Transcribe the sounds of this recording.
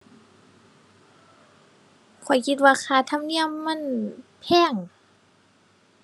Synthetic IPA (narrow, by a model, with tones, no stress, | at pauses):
kʰɔ˨˩˦jkʰi˧t̪̚waː˧xʰaː˧˩t̪ʰa˧˥˨mni˧˥˨əmːa˧˥˨npʰɛː˧˥˩ŋ